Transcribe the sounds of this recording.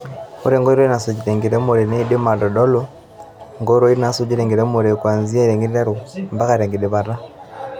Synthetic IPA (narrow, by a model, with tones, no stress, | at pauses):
o˦ɾe˦˨ŋɡo˦i˦ɾo˦i˦na˨su˨ɟi˨ɾe˨ŋɡi˨ɾe˦mu˨ɾe˨ne˦i˦de˦ma˨do˨do˦lo˦ | ŋɡo˦i˦ɾo˦i˦na˨su˦ɟi˦ɾe˨ŋɡi˨ɾe˦mu˨ɾe˨kwaː˨nzi˦a˦ɾe˨ŋɡi˦ɾi˦ɾe˦ɾu˨mba˦ka˨ɾe˨ŋɡe˨de˨βa˨ɾa˦